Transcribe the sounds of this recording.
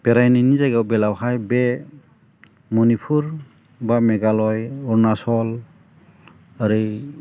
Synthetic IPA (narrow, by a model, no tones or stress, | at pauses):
b̥ɛɾajninizaɡawbɛlawɦajbɛ | mɔnipʰuɾ | bamɛɡalɔjɔɹnasɔl | aɾi